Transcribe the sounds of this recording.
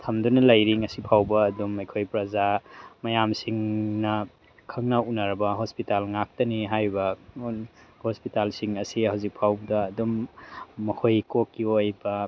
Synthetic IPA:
t̪ʰɐmdunɐlajɾiŋɐsipʰawbɐːdumɐjkʰojpɾɐzamɐjamsiŋnɐ | kʰɐŋnɐunaɾɐbɐɦospitalŋak̚tɐniɦajbɐnhospitalsiŋɐsihawzik̚pʰawdɐːdomː | ɐhʰojkokːiojbɐ

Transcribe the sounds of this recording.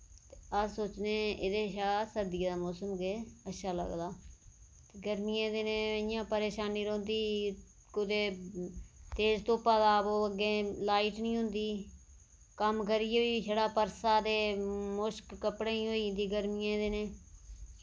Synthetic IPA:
t̪eːəsoːt͡ʃneːɪd̪eːʃaːsəɾd̪ieːd̪aːmoːsəmɡeːətːʃʰaːlə̰ɡd̪aː | t̪eːɡəɾmijẽːd̪enẽːəɪjãːpəɾeːʃaːniːɾõːnd̪iː | kʊd̪eː | t̪eːzt̪õːpəd̪aːpoːəɡẽːlaːiːʈnĩːɦʊ̃nd̪iː | kəmk̬əɾiːɦoːiːsʰəɽaːpəɾsaːd̪eːmʊʃkːəpɽeːĩːɦoːiːɦnd̪iːɡəɾmɪjãːd̪eːnẽː

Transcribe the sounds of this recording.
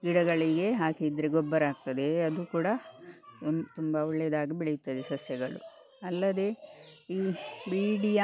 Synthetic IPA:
ɡiɽɐɡɐɭiɡe̞ɦaːkid̪ɾeɡɔbːɐɾaːk̚t̪ɐd̪e̞ɐd̪ukuːɽɐ | t̪umbɐɔɭːɛjd̪aːɡibɛɭijut̪ːɐd̪esɐsjɐɡɐɭṵ | ɐlːɐd̪e̞iːbiːɽija

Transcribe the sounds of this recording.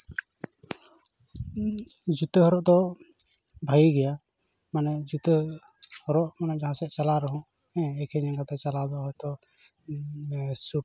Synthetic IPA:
d͡ʒut̪əɦɔɾɔʔd̪ɔ | bʱajiɡɛja | manɛd͡ʒut̪ə | hɔɾɔʔmanaʔd͡ʒaɦãsɛʔt͡ʃalaɾɔɦũ | ɛ̃ɛkʰɛɲɛɡat̪ɛt͡ʃalad̪ɔɦɔjt̪ɔ | su

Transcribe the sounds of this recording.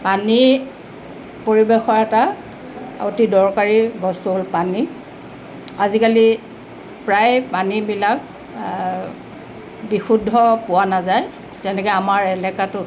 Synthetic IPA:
pani | poɹibexɔɹɛta | otidɔɹkaɹibɔstuɦolpani | azikali | pɹajpanibilak̚ | bixudʱːɔpʊwanazaj | zɛnɛkɛamaɹɛlɛkatʊ

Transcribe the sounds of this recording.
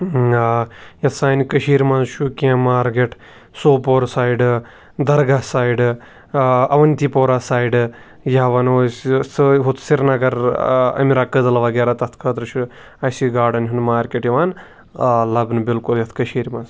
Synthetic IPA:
ajɐt̪ʰsaːnikɐʃiːɾmɐnzʃukiɐ̃maːɾkeʈʰ | soːpoːɾsaːiɖ | d̪ɐɾɡaːsaːjɖ | ɐʋɐnt̪iːpoːɾaːsaːjiɖɨ | jaʋɐnoːssɨɦut̪ʰsiɾnɐɡɐɾɐ̰miɾaːkəd̪ɐlɐʋɐɡeːɾaːt̪ɐt̪ʰkʰɐːt̪ɾɨʃu | ɐsiɡaːɖɐnʲɦunmaːɾkʲeʈjiʋaːn | lɐbnɨbɪlkuljɐt̪ʰkɐʃiːɾmɐnz

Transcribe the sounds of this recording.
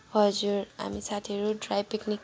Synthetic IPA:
ɦʌd͡zuɾa̰misat̪ʰiʌɾuɖrajpiknik

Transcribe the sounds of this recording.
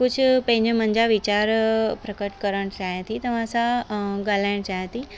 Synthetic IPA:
kʊd͡ʑʱʊpɐ̃ɦɪ̃ɲd͡ʑəmə̃ɲd͡ʑaʋɪt͡ɕaːɾpɾɐkəʈkɐɾəɽ̃t͡ɕaːɦet̪ʰit̪ɐʋ̤ãsãɡal̤aːɪɽ̃t͡ɕaːɦet̪ʰi

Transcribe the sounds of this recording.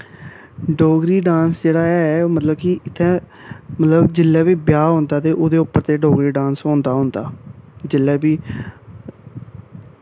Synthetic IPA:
ɖoːɡɾiːɖãːnsd͡ʒeːɽaːɛɛmət̪ləbkiʔɪt̪ʰːɛ̃ː | mət̪ləbd͡ʒɪlːɛːbiːbjaːɦõːnd̪aːt̪eːʔoːd̪eːʊpːəɾt̪eːɖoːɡɾiːɖãːnsɦõːnd̪aːɦõːnd̪aːd͡ʒɪlːɛːbiː

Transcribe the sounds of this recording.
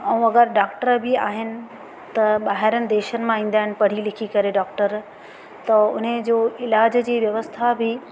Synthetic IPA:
ɛ̃ũɐɡəɾɖaːkʈəɾbɪa̰ːɦɪnɪ̆ | t̪ɐɓaːɦɪɾənɪ̆d̪eːʃənɪ̆mãĩːn̆d̪aːɦɪnɪ̆pɐɽ̤ilɪkʰikɐɾeɖaːkʈəɾ | t̪ɐʊ̰n̤əd͡ʑoːɪlaːd͡ʑd͡ʑiːʋjɐʋəst̪ʰabɪ

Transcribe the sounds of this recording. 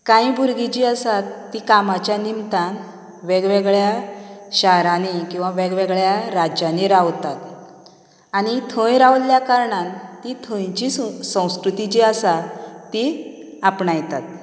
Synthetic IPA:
kãĩbʱuɾɡit͡ɕiasat̪ːikamat͡ɕjanimt̪an | ʋɛɡʋɛɡɭjaɕaɦɾanikĩw̃ʋaʋɛɡʋɛɡɭjaɾad͡ʑaneɾawt̪at̪ | añit̪ʰə̃jɾawlljakaɾɳant̪it̪ʰə̃jt͡ɕisə̃w̃skɾut̪it͡ɕiəsat̪iapɳajt̪at̪̚

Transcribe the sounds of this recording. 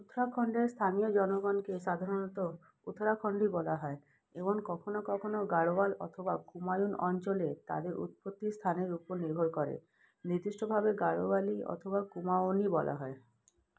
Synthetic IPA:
ut̪ʰɾakʰɔɳɖeɾst̪ʰanijod͡ʑɔnoɡɔnkeʃad̪ʱaɾonɔt̪o | ut̪ʰɾakʰɔɳɖibɔlaɦɔe | eboŋkɔkʰonokɔkʰonoɡaɽobalɔ̰t̪ʰobakumajunɔnt͡ɕolet̪a̰d̪eɾʔṵt̪̚pot̪ːist̪ʰaneɾupoɾniɾbʱoɾkɔɾḛ | niɾd̪iʃʈobʱabeɡaɽobaliɔ̰t̪ʰobakumaonibɔlʔa̰ɦɔe

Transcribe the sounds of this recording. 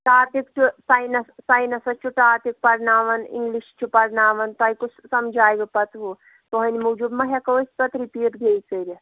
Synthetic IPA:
ʈaːt̪ikt͡ʃusajnɐssajnɐsɐt͡ʃʰuʈaːt̪ik̚pɐɾnaːʋɐnḭŋɡliʃt͡ʃʰupɐɾnaːʋɐnt̪ɐjkussɐmd͡ʒaːjɡɐpɐt̪ɦu | t̪oɦɐnʲimud͡ʒubmɐɦʲekɐʋɐsʲpɐt̪ɾipiːt̪ɡʱeːjt͡sɐɾi

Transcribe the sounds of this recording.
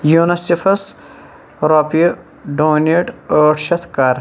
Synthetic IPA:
junɐsifʰɐs | ɾoːpi | ɖoːneʈəːʈʃɐt̪ʰkaːɾ

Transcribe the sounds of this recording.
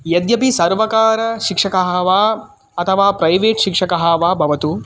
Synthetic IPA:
jɐd̪jɐpisɐɾʋɐkaːɾɐʃikʂɐkɐɦɐʋaː | ɐt̪ʰɐʋaːpɾɐjʋeːʈʃikʂɐkɐɦaːʋaːbʱɐʋɐt̪u

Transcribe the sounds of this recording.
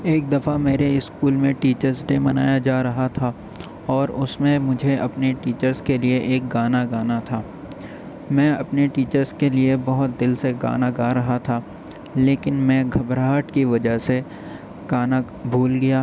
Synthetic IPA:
eːk̚d̪ɐfameːɾeɪskuːlmẽʈiːt͡ʃəɾznemɐna̰ːjad͡ʒaːɾɐɦat̪ʰaː | ɔːɾʊsmẽmʊd͡ʒʱeʔɐpneʈiːt͡ʃəɾzkelieʔeːk̚ɡaːnaɡaːnat̪ʰaː | mɛ̃ːɐpneʈiːt͡ʃəɾskeliebɐɦʊt̪̚d̪ɪlseɡa̰ːnaɡaːɾɐɦat̪ʰaː | leːkɪnmɛ̃ɡʱɐbɾaːʈkiʋɐd͡ʒəɦse | ɡ̥aːna | bʱuːlɡɐjaː

